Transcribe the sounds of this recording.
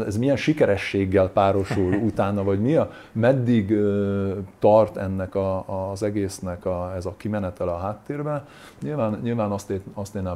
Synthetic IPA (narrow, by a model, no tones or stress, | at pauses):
ɛzmijɛnʃikɛɾɛʃːeːɡːɛlpaːɾo̞ʃulut̪aːnɒvɒɟmiɒ | mɛd̪ːiɡøt̪ɒrt̪ɛnːɛkɒzɛɡeːsnɛkɒɛzɒkimɛnɛt̪ɛlɒɦaːt̪ːeːrbɛ | ɲilvaːnɲilvaːnɒst̪eːɒst̪eːnːɛ